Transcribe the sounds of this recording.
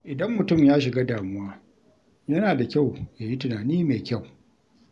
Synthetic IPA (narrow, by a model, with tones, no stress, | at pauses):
ʔɪ˨dɐ˦mːʊ˨tʊ˦˨mjaː˦ʃɪ˨ɡaː˦daː˨mʊ˦waː˦ | jɐ˦naː˨da˨kʲa˦˨wjaː˨ji˦tʊ˨naː˨niː˦meː˨kʲa˦˨w